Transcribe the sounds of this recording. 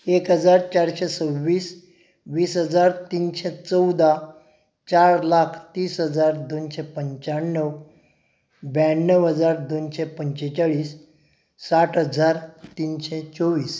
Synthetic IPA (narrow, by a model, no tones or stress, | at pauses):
ekɦəd͡zaɾt͡ɕaɽɕɛsəʋːiːs | ʋiːsɦəd͡zaɾt̪iːnɕɛt͡səwd̪a | t͡ɕaɾlakʰt̪iːsɦəd͡zaɾd̪onɕɛpəɲt͡ɕaɽɳːəw | bjaɳːəʋɦəd͡zaɾd̪onɕɛpəɲt͡ɕet͡ɕaɭiːsː | aʈʰɦəd͡zaɾt̪iːnɕɛt͡soʋiːs